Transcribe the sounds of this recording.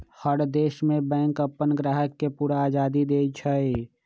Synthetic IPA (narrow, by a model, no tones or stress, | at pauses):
həɽd̪eːʃmẽbɛ̃ːŋkəpːənɡɾaːɦəkːepuːɾaaːd͡ʒaːd̪id̪eːt͡ʃʰəe